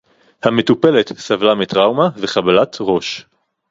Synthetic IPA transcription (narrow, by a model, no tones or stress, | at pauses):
hame̞tupe̞le̞t̪savlamitʁawmaveχabalat̪ʁo̞ʃ